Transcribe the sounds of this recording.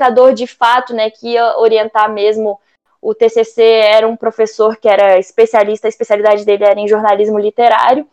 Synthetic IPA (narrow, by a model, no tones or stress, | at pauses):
kad̪oɾd͡ʒɪfat̪ʊnɛkɪiɐoɾiẽnt̪amezmʊ | ʊt̪eseseɛɾɐũpɾofesoɾkɪɛɾɐispesialist̪ɐispesialid̪ad͡ʒɪd̪elɪɛɾɐẽʒoɾnalizmʊlit̪eɾa̰ɾjʊ